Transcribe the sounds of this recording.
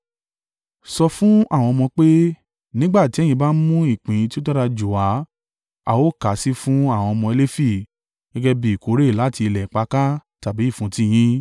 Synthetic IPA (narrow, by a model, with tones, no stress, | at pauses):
sɔ˧fũ˦a˦˨w̃ɔ̃˧ɔ˧mɔ̃˧k͡pe˦ | nĩ˦ɡ͡ba˦˨ti˨˦ɛ˦j̃ĩ˧ba˦n̩˦mũ˦i˦˨k͡pĩ˨ĩ˧ti˦o˦ta˦ɾa˧d͡ʒu˨wa˨˦ | a˨wo˦˨ka˨˦si˦fũ˦a˦˨w̃ɔ̃˧ɔ˧mɔ̃˧e˧le˦fi˦˨ | ɡɛ˦ɡɛ˧bi˨i˨ko˨˦ɾe˦˨la˨˦ti˧lɛ˨k͡pa˧˦ka˦ta˨bi˨˦i˦˨fũ˨˦ti˦j̃ĩ˦